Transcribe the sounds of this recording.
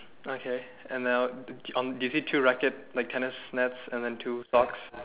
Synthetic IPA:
okʰe | ɛ̃nðaʊɔ̃ndujusitʰuɹɛkət̚laɪk̚tʰɛnəsnɛtsɛ̃nd̪ɛ̃ntʰusɔks

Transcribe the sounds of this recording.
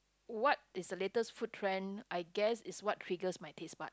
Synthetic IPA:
wɔt̚ɪsdəletəsfut̚tʰɹɛ̃najɡɛsɪswɔt̚ʰɹiɡəsmajtʰespat̚

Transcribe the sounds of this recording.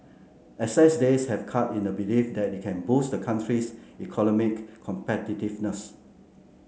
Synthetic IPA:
ɛsɛsdeshɛfkʰatĩndəbilifdɛt̚ikʰɛ̃nbusdəkʰãntʰɹisikʰɔnɔmikʰːɔ̃mpɛtitivnəs

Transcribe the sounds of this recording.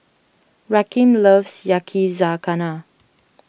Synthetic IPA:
ɹakĩmləvsjakʰizakana

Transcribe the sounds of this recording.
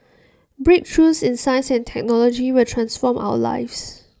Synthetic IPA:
bɹik̚tʰɹusɪ̃nsãjə̃nsɛ̃ntʰɛk̚nɔlɔd͡ʒiwɪltʰɹãnsfɔmʔa̰wə̰la̰ɪfs

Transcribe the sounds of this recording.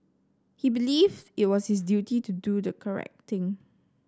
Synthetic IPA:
hibilivdɪt̚wɔshis̬djutitududəkʰəɹɛ̰k̚t̪ɪ̃ŋ

